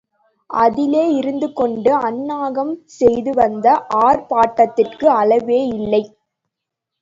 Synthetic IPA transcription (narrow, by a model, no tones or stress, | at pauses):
ʔɐðɪleːɪɾɯnd̪ɯkɔɳɖɯɐnːaːɣɐmsɛjðɯʋɐnd̪ɐʔaːɾpaːʈːɐt̪ːɪrkɯɐlɐʋeːɪlːɐɪ